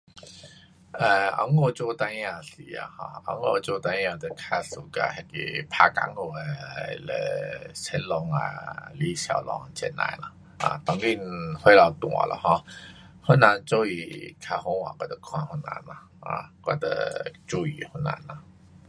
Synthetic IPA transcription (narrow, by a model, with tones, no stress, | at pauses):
ə˧a̰˧˦ŋo˥˧t͡ɕo˧t̪a˧ã˧˨si˨˩a̰˧hɔ̰̃˧a˧˦ŋo˧t͡ɕo˧t̪a˧jã˧t̪ə˧˨kʰa˧su˨˩ka̰˧hɛ˧kḭ˧˩pʰa˧ka̰˧˦ŋo˧e˧lə˧˩t͡sʰɛ˧˥nlɔ˧ŋa̰˧li˦ɕja˨˩lɔ˧ŋt͡ɕɛ˧nã̰˧˩jla˧˩ | a̰˧t̪ɔ˧ŋɡi˧nhwe˧˦la˧˩t̪w̃ɔ̰˨la̰˧˨hɔ̃˧ | hə˦nã˨˧nt͡so˧˦i˨˩kʰa˧hɔ˧˦wa˨kwa˧d̪ə˧kʰw̃ã˧hu˧˥na̰˧˦na˧ | ha̰˧˩kwa˧˩t̪ə̰˧t͡ɕu˧˦ḭ˨˩hu˧˥na̰˧˦na˨